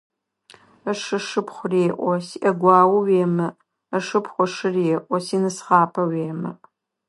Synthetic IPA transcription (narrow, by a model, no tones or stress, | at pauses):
ɐʂɨʂɨpχʷʊreːʔʷɔsiʔɐɡʷɑːwɐweːmɐ | ɐʂɨpχʷɔʂɨrɛʔʼʷɔsinɨsχɑːpʰɐweːmɐʔ